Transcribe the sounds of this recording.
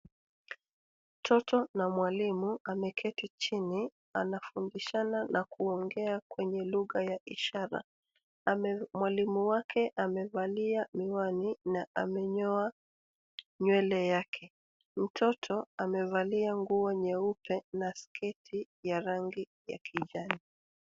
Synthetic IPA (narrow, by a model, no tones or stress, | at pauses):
m̩tʰɔtɔnamwalimuʔamɛkʰɛtit͡ʃini | a̰nafundiʃananakuɔŋɡɛakwɛɲɛluɣajaiʃaɾa̰ | mwalimuwakʰɛʔamɛvaliamiwaninaʔamɛɲɔa | ɲwɛlɛjakʰɛ | m̩tʰɔtʰɔamɛvaliaŋɡuɔɲɛupɛnaskʰɛtʰi | jaɾaŋɡi | ja̰kʰiʄani